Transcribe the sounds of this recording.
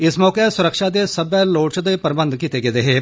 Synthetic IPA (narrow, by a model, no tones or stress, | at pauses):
ɪsmɔːkesʊɾəkʃaːd̪esɐbɛloːt͡ʃd̪epɐɾɪbə̃nd̪kiːt̪eɡed̪eɦeː